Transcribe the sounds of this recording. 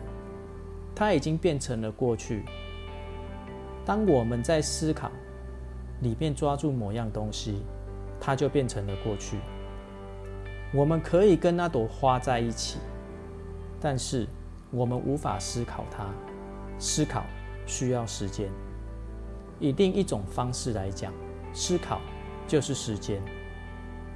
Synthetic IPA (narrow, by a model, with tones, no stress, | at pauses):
t̪ʰa˦˥i˨˩t͡ɕi˦ŋpjɛ˥˨nʈ͡ʂʰə˧˦ŋlə˨kwɔ˥˧t͡ɕʰy˥˨ | t̪ɑ˥ŋwɔ˨˩mə˨˦nt͡sa˥˨˩ɪsɹ̩˦kʰɑ̰˨˩ʊ | li˨˩mjɛ˥˨nʈ͡ʂwa˦ʈ͡ʂu˥˩mɔ˨˩˦jɑ˥˩ŋt̪o˦ŋɕi˦ | t̪ʰa˦t͡ɕjo˥˧ʊpjɛ˥˩nʈ͡ʂʰə˨˦ŋlə˨kwɔ˥˧t͡ɕʰy̰˥˩ | wɔ˨˩mə˨nkʰə˨˦i˨˩kə˦nna˥˩t̪o˨˩xwa˦t͡sa˥˧ɪi˥˩t͡ɕʰḭ˨˩˦ | t̪a˥˧nʂɻ̩˥˩ | wɔ˨˩mə˨nʔu˧˦fa̰˨˩sɹ̩˥kʰɑ˨˩ʊt̪ʰa˦ | s̩˥kʰɑ̰˨˩ʊ | ɕy˦˥jɑ˥˩ʊʂɻ̩˧˦t͡ɕjɛ˦n | i˨˦˥t̪i˥˨ŋi˥˩ʈ͡ʂʊ˨˩ŋfɑ˦ŋʂɻ̩˥˨la˧˦ɪt͡ɕja̰˨˩ŋ | sɹ̩˥kʰɑ˨˩ʊ | t͡ɕjo˥˧ʊʂ̩˥˩ʂɻ̩˨˦t͡ɕjɛ˦n